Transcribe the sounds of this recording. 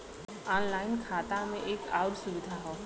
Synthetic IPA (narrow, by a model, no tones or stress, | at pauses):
ɔːnlaːɪnkʰaːt̪amẽʔeːka̰ːwʊʈsʊʋɪd̪ʱaɦoː